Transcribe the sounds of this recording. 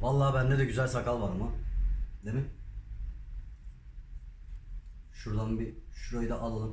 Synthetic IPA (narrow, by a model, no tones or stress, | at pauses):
valˠːaːbænːed̪ɛɟyzælʲsakalˠvaɾamad̪emɪ | ʃuɾd̪ˠanbiʃuɾojd̪aʔalˠalˠɯ